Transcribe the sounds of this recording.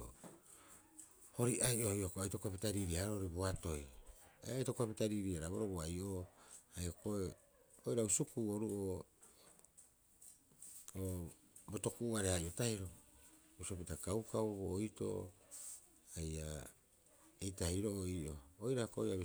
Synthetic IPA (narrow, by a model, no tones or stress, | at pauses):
ho̞ɾiʔajʔojokoajtokapitaɾiɾiaaɾoɾiboato̞ja̰jʔatokuapitaɾiɾiaɾaβoɾoboajʔoajokoe | ojɾausukuːoɾuʔo | o | boto̞kuʔːaɾehajʔotaiɾo | busopitakawkawboːjto̰ | aja̰ | ejtaiɾoʔoiʔo̞ːjɾakoojaβ